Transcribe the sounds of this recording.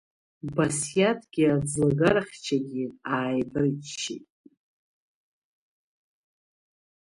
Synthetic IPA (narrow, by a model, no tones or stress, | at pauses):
basjatʰʼɡ̥ʲiad͡zlaɡaɾaχʲt͡ʃʰaɡʲiaːjbɨrt͡ʃʃḭtʼ